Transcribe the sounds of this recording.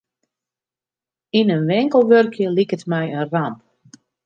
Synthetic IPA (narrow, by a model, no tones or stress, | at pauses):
inənʋɪŋkəl̩ˠʋørkʰjəlikətmɛjənramp̚